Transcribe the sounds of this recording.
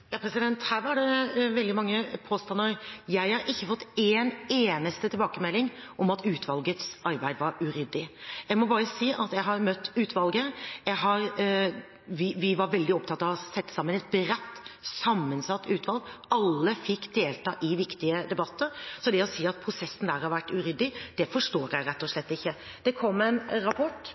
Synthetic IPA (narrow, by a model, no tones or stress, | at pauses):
jɑːpʰɾɛsɪd̪ɛnt̪hæːɾʋɑɖɛʋɛld̪ɪmɑŋːəpʰoːst̪ɑnːəɾjæɪhɑɾʔɪçːəfɔt̪ːeːneːnəst̪ət̪ʰɪbɑːkəmɛlːɪŋʔɔmɑt̪ʰʉːt̪ʰʋɑlɡət̪sɑɾbæɪd̪ʋɑɾʉɾɪd̪ɪjæɪmɔbɑːɾəsiːʔɑt̪jæɪɦɑɾmœt̪ːʉːt̪ʋɑlɡəjæɪɦɑɾ | ʋɪʋɪʋɑɾʋɛld̪ɪɔpt̪ʰɑt̪ːɑʋɑsɛt̪ːə̥sɑmːənɛt̪̚bɾɛt̪ːsɑmːənsɑt̪ːʉːt̪ʋɑlɡɑlːəfɪkːd̪eːlt̪ʰɑːʔɪʋɪkt̪ɪəd̪ɛbɑt̪ːəɾsɔd̪ɛɔsiːɑt̪̚pʰɾʊsɛsːn̩d̪æːɾhɑɾʋæʈːʉɾʏd̪ːɪd̪̥ɛfɔʂʈoːɾæɪɾɛt̪ːɔʂlɛt̪ːɪçːə | d̪̥ɛkʰɔmːɛnɾɑpʰɔʈː